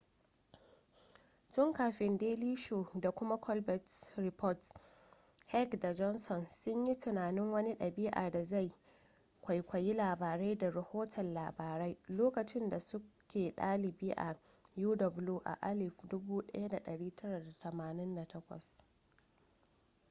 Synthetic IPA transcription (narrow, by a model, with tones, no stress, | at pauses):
t͡ʃɪ˦ŋkaː˨ɸɪ˨ndeː˦liː˦ʃoː˨da˨kʷʊ˦ma˦kʰɔ˦lbɛ˨tɾɪ˨pɔ˦t | hɛ˦kda˨d͡ʒɔ˦nsɔ˨nsʊ˦ɲji˦tɪ˨naː˨nɪ˦ŋwɐ˦ni˦ɗɐ˨bɪ˦ʔa̰ː˨da˨za˦˨j | kʷa˨jkʷɐ˨ji˦laː˨baː˨ɾa˦jda˨ɾɐ˨hoː˦tʰɐ˨nlaː˨baː˨ɾa˦jloː˦kɐ˨t͡ʃɪ˦nda˨sʊ˦kʲʰeː˨ɗaː˦lɪ˨bi˦ʔa˨ | juː˦dɔ˨bluː˦ʔa̰˨ʔa˦lɪ˨fdʊ˦buː˦ɗɐ̰˦ja˦da˨ɗɐ˨ɽiː˦tʰɐ˦ɽa˨da˨tʰɐ˨maː˨nɪ˦nda˨tɐ˦kʷɐ̰˨s